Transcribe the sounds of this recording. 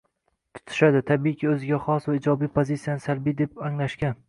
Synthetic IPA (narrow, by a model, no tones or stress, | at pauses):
t̪ʰʊ̥t̪ʰɪ̥ʃad̪ɪt̪ʰabikʲʰiɵzɪɡʲaχɒsvaɪd͡ʒɒbijpʰozit̪sijanɪsalbid̪e̞paŋlaʃkʲan